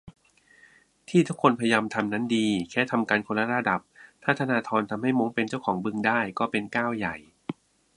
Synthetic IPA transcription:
t̪ʰiː˥˩t̪ʰu˦˥kʰːo˧npʰɾa˧jaː˧mt̪ʰa˧mna˦˥ndiː˧kʰɛː˦˥˩t̪ʰa˧mkaː˧nkʰo˧nlːa˦˥ɾa˧da˨˩p̚t̪ʰaː˥˩t̪ʰa˧naː˧t̪ʰɔː˧nt̪ʰa˧mɦa˥˩jmo˦˥ŋpe˧nt͡ɕa˥˩wkʰɔː˩˦ŋbɯ˧ŋdaː˥˩jkɔː˥˩pe˧nkaː˥˩wja˨˩j

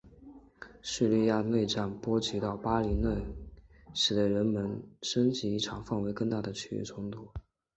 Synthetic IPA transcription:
ʂɻ̩˥˧li˥˧ja˥˧ne˥˧ɪʈ͡ʂa˥˩npwɔ˥t͡ɕi˧˥t̪ɑ˥˩ʊpa˥li˧˥ne˥˩ɪ | ʂɻ̩˨˩d̪ə˦ɻə˧˥nmə˧˥nʂə˥nt͡ɕi˧˥i˥˩ʈ͡ʂʰɑ˨˩ŋfɑ˥˩ŋwe˧˥ɪkɤ˥˧ŋt̪a˥˩d̪ə˩t͡ɕʰy˥y̰˥˩ʈ͡ʂʰʊ˧˥ŋt̪u˥˩

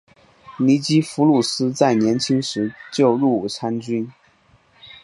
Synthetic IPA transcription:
ni˧˥t͡ɕi˥fu˧˥lu˥˩sɹ̩˥t͡sa˥˩ɪnjɛ˧˥nt͡ɕʰi˥ŋʂɻ̩˧˥t͡ɕjo˥˧ʊɻu˥˩u˨˩t͡sʰa˥nt͡ɕy˥n

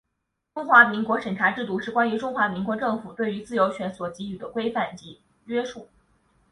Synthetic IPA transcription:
ʈ͡ʂʊ˥ŋxwa˧˥mi˧˥ŋkwɔ˧˥ʂə˨˩ŋʈ͡ʂʰa˧˥ʈ͡ʂɻ̩˥˧t̪u˥˧ʂɻ̩˥˩kwa˥ny˧˥ʈ͡ʂʊ˥ŋxwa˧˥mi˧˥ŋkwɔ˧˥ʈ͡ʂɤ˥˩ŋfu˨˩t̪we˥˩ɪy˧˥t͡sɹ̩˥˩jo˧˥ʊɕɥɛ˧˥nswɔ˨˩t͡ɕi˧˥y˨˩d̪ə˦kwe˥ɪfa˥˩nt͡ɕi˧˥ | ɥɛ˥ʂu˥˩

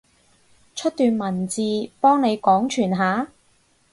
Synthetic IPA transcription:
t͡ʃʰɵ˥t̚t̪yː˨nmɐ˨˩nt͡siː˧pɔː˥ŋne˨˧jkɔː˨˥ŋt͡ʃʰyː˨˩nɦaː˨˥

